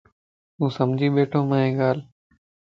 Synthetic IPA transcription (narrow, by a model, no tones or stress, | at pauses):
ɦũːsəmd͡ʑʱiːɓeːʈʰõːmãːẽːɠaːl